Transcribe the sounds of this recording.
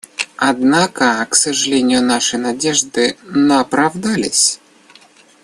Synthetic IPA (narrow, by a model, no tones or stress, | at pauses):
ad̪nakəksəʐɨlʲenʲɪjʊnaʂɨnadʲeʐd̪ɨnəpɾavd̪alʲɪ̰sʲ